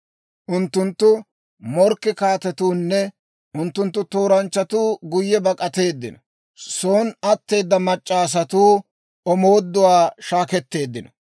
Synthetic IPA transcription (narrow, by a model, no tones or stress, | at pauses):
ʔʊnt̪ːʊnt̪ːʊ | mɔɾkːɪkaːt̪ɛt̪uːnːɛ | ʔʊnt̪ːʊnt̪ːʊt̪o̞ːɾɐnt͡ʃːɐt̪uːɡʊjːɛbɐkʼɐt̪e̞ːd̪ːɪ̰nɔ | soːnɐt̪ːe̞ːd̪ːɐmɐt͡ʃʼːaːs̬ɐt̪uː | ɔmoːd̪ːʊwaːʃaːkɛt̪ːe̞ːd̪ːɪnɔ